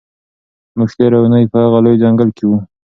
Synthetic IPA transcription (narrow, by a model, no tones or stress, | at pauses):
mʊʃt̪eɾawnəjpəhaɣalojd͡ʒaŋɡəlkewu